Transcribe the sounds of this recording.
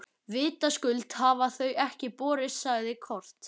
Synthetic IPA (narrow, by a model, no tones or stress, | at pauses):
vɪːt̪askʏlt̪havaθœɥɛhcɪpɔːɾɪsːaɣðɪkʰɔr̥t̪